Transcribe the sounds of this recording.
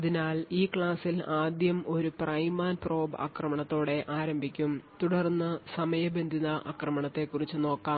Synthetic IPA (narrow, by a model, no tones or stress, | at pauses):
ɐðinaːliːkɭaːsilaːd̪jɐmo̞ɾuprɐjmːaːnpro̞ːba̰ːkrɐmɐɳɐt̪ːo̞ːɽe̞ʔaːɾɐmbʱikʲːumt̪uɽɐrnːɐsɐmɐjɐbe̞nd̪ʱinɐʔa̰ːkrɐmɐɳɐt̪ːe̞kːurit͡ɕːɨno̞ːkːaːm